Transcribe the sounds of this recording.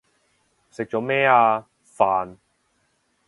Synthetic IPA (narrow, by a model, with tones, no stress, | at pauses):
sɪ˨k̚t͡ʃɔː˨˥mɛː˥aː˧ | faː˨n